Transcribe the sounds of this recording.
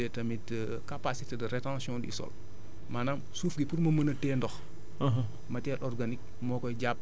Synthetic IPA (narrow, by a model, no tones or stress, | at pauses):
ɛtɐmit | kapasitedɐɾɛtãsjɔ̃dḭsɔ̰l | maːnaːmsuːfɡipuɾmɐmənɐtɛːndɔx | ɦ | mɐtɛːlʔɔrɡanik̚ | mɔːkɔjɟap̚ː